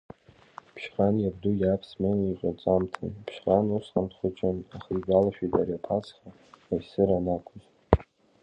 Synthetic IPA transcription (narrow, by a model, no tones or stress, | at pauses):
pʰʃqʼanjabdujʲapʰsmeniqʷʼat͡sʼamtʰa̰npʰʃqʼanusqʼamtʰχʷʊt͡ʃʰʼanaχiɡʷalaʃᶣitʰʼaɾjapʰat͡sʰχʲaː | jsɨɾanakʷʰʊz